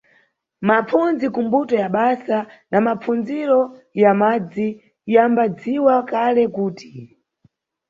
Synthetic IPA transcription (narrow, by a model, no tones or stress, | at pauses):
map͡funzikumbutɔjaɓasanamap͡fund͡ziɾɔjamad͡zi | jambad͡ziwakalɛkuːti̥